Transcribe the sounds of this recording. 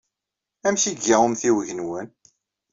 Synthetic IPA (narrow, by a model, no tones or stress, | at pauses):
æmʃiɡːæwəmθiwəʝənwən